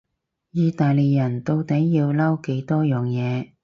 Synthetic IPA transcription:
jiː˧t̪aː˨jle˨˩jɐ˨˩nt̪o˧wt̪ɐ˨˥jjiː˧wlɐ˥wke˨˥jt̪ɔː˥jœː˨˩ŋjɛː˨˧

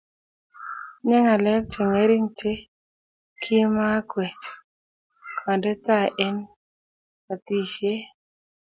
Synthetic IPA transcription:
ɲɛ˦ŋa˨lɛ˦k̚t͡ʃe˨ŋe˦ɾi˦ŋt͡ʃe˦ | kʰɪ˦ma˦kwɛ˨t͡ʃ | kʰa˨ndɛ˦t̪a˦˨ʔɛ˦n | ka˨t̪i˨ʃe˦

